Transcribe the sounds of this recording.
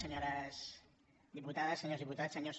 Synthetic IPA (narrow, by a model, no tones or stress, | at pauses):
əɲoɾəs | ðiput̪aðəsːəɲoɾzðiput̪asəɲos